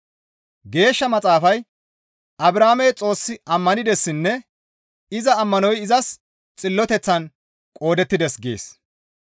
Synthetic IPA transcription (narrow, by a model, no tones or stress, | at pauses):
ɡe̞ːʃːɐmɐt͡sʼaːfɐj | ʔɐbɾaːmɛt͡sʼo̞ːsːɪɐmːɐnɪd̪ɛsːɪnːɛ | ɪzɐːmːɐnɔjɪzɐs | t͡sʼɪlːɔt̪ɛt͡sːɐn | kʼo̞ːd̪ɛt̪ːɪd̪ɛsɡḛːs